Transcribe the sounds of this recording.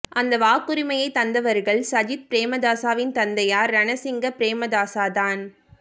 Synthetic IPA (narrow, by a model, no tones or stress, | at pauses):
ʔɐnd̪ɐʋaːkːɯɾɪmɐjɐɪt̪ːɐnd̪ɐʋɐɾɣɐɭsɐd͡ʒɪt̪̚pɪɾeːmɐd̪aːsaːʋɪnt̪ɐnd̪ɐjaːɾːɐnɐsɪŋɡɐpɪɾeːmɐd̪aːsaːðaːn